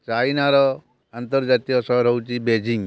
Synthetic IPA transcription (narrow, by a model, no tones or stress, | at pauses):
t͡ʃajnaɾɔ | ant̪ɔɾd͡ʒat̪ijɔsɔɾɦɔwt͡ʃibed͡ʒiŋ